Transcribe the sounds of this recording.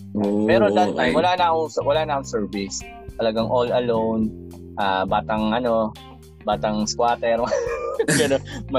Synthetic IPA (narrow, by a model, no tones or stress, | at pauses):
pɛɾoɐd̪ɐt̪ːajmwɐlaːnɐʔʊŋswɐlaːnɐʔʊŋsɛɹvɪs | t̪ɐlɐɡaŋʔolɐlown | ʔaːbaːt̪ɐŋʔɐno̞ | baːt̪ɐŋskwaːt̪ɛɾmɐɡɐnomɐ